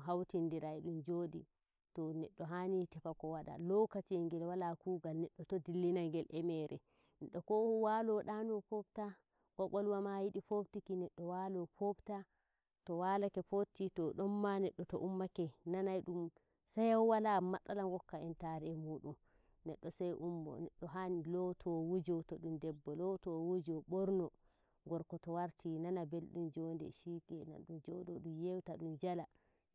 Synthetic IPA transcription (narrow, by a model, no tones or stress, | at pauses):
ɦawtindiɾajɗumd͡ʒoːdi | tɔnɛɗːɔɦanitɛpakɔwaɗa̰lɔkat͡ʃɛŋɡɛlwalakuːɡalnɛɗːɔtɔdilːinaŋɡɛlʔɛmɛɾʔɛ̰ | nɛɗːɔkɔwalɔɗanɔpɔbta | ɡ̥ɔɡɔlwamajiɗipobtikinɛɗːɔwalɔpobta | tɔwalakɛpotːitɔɗɔnmanɛɗːɔtɔʔumːakɛnanajɗum | sajawwalamatʼːalaŋɡɔkːaɛntaɾɛɛmuːɗum | nɛɗːɔsajʔumːɔ̰nɛ̰ɗːɔɦanilɔtʰɔwud͡ʒɔtɔɗundɛbːɔlɔtɔwud͡ʒɔɓɔɾnɔ | ŋɡɔɾkɔtɔwaɾtʰinanabelɗumd͡ʒɔndɛ̰ʃikɛna̰nɗund͡ʒɔɗɔɗumjewtaɗund͡ʒala